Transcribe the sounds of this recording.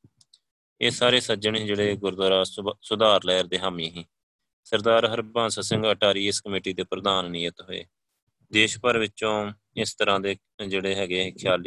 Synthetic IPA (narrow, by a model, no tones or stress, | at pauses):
eːsaːɾeːsəd͡ʒəɳeːd͡ʒeːɽeːɡʊɾd̪oːɾaːsʊd̪aːɾlɛːəɾd̪eːɦaːmĩːɦĩː | səɾd̪aːɾɦəɾbãːnsaːsɪ̃ŋɡəʈaːɾiːɪskəmeːʈiːd̪eːpɾəd̪aːnːɪjət̪ɦoḛː | d̪eːʃpəɾʋɪt͡ʃõː | ɪst̪əɾãːd̪eː | d͡ʒeːɽeːɦɛːɡeːɪkʰjaːliː